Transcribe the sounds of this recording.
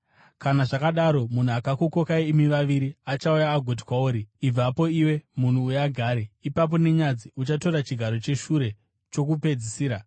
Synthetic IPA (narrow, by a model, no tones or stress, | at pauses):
kanaʐakaɗaɾo̞mun̤uakakoko̞kaiːmiʋaʋiɾiat͡ʃaujaːɡʱot̬i̥kwauːɾiib͡vapo̞iwe̞mun̤uːjaɡʱaːɾeipap̬o̞ne̞ɲad͡ziʔut͡ʃato̞ɾat͡ʃiɡʱaɾo̞t͡ʃe̞ʃuɾe̞ | t͡ʃo̞kupe̞d͡zisiːɾa